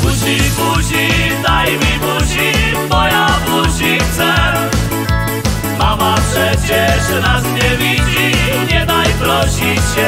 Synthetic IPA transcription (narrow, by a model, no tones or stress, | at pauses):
uɕipuɕid̪ajmʲipuɕi | mɔjabuɕikt̪sɛ | mamapʂɛt͡ɕɛʐɛnasɲɛvʲid͡ʑi | ɲɛd̪ajpɾɔɕiɛ